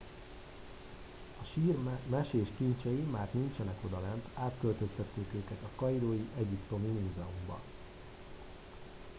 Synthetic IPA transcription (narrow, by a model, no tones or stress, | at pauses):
ɒʃiːrmɛʃeːʃkint͡ʃɛjimaːrnint͡ʃɛnɛko̞d̪ɒlɛnt̪aːt̪kø̞lt̪ø̞st̪ɛt̪ːeːkøːkɛt̪ɒkɒiɾoːjiʔɛɟipt̪o̞mimuːzɛumbɒ̰